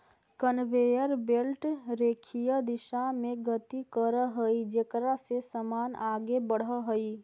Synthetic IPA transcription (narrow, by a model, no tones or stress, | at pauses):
kənʋejəɾbelʈɾeːkʰijəd̪ɪʃamẽɡət̪ikəɾəɦəid͡ʒekɾasesəmaːnaːɡebəɽ̤əɦəi